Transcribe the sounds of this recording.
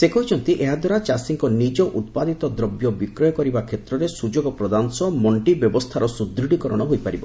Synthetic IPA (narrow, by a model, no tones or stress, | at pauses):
sekɔɦit͡ʃʰɔnt̪iʔeɦad̪waɾat͡ʃasiŋkɔnid͡ʒɔʔut̪̚pad̪it̪ɔd̪ɾɔbjɔbikɾɔjɔkɔɾibakʰet̪ɾɔɾesud͡ʒoɡɔpɾɔd̪ansɔmɔɳʈibjɔbɔst̪ʰaɾɔsud̪ɾiɽikɔɾɔɽ̃ɔɦojpaɾibɔ